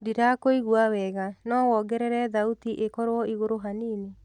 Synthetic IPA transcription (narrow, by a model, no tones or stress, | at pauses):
diɾakoiɣuawɛɣanɔwɔɡɛɾɛɾɛðautiʔekɔɾwɔiɣoɾoɦaniːne